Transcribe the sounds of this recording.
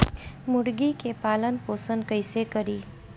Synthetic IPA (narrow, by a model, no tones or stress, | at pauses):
mʊɽɡikepaːlənpoːsənkəɪsekɐɾiː